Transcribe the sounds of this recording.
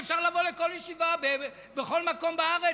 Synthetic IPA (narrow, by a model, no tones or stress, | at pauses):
fʃaʁlavo̞leko̞ljeʃivabe | beχo̞lmako̞mbaaʁe